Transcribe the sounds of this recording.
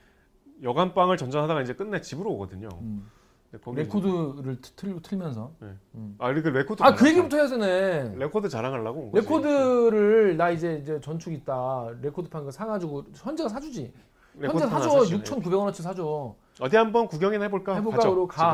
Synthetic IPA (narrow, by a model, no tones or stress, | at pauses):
jʌɡanp͈aŋɯɭt͡ɕʌnd͡ʑʌnɦadaɡaind͡ʑek͈ɯnːet͡ɕibɯɾooɡʌdɯɲo̰ | ɾekʰoɾe̞kkʰodɯɾɯɭʰtʰɯotʰɯɭmjʌnsʰʌnḛaɾikɯɾekʰodakɯjeɡebutʰʌɦesʰene̞ɾekʰodɯt͡ɕaɾaŋɦaɭːaɡoɾe̞kʰodɯɾɯnaid͡ʑe̞id͡ʑe̞t͡ɕʌnt͡ɕʰuɡit̚t͈aɾe̞kʰodɯpʰaŋɡɯsʰaɡad͡ʑiɡoçjʌnd͡ʑeɡasʰad͡ʑud͡ʑi | jʌneasʰad͡ʑʌjuk̚t͡ɕʰʌnkubeɡʌnʌt͡ɕʰisʰad͡ʑo | ʌdiɦambʌnkuɡjʌŋiɦeboɭk͈aeboɭk͈aɡɯɾoka